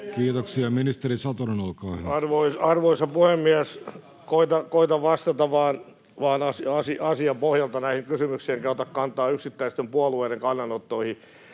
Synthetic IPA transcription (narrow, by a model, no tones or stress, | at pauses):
kiːt̪oksiɑminist̪eɾisɑt̪onenolkɑːhnɑrʋoisɑrʋoisɑpuhemːiæs | koit̪ɑkoit̪ɑʋɑst̪ɑt̪ɑʋɑːn | ʋɑːnɑsiɑsiɑsiɑpohjɑlt̪ɑnæihiŋkysymyksiiŋkæyt̪ɑkkɑnt̪ˑɑːyksit̪ːæist̪empuɑlueːdeŋkɑnːɑnot̪ːoihi